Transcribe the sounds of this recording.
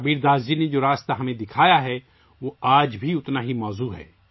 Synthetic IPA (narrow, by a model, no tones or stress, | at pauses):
biːɾd̪aːzd͡ʒined͡ʒoːɾaːst̪aɦɐmẽd̪ɪkʰaːjaɦɛ | ʋoːaːd͡ʒbʱiʊt̪naɦimɔːzuɦɛ̰ː